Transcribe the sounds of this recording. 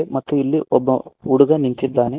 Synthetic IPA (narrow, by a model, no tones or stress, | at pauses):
emɐt̪ːuilːiʔɔbːɐuɽuɡɐnint̪id̪ːaːne